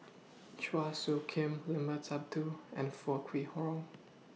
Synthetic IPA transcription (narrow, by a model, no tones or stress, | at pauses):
t͡ʃwasokʰẽmlɪ̃mətʰap̚tʰuɛ̃nfɔkʰwihɔ̃m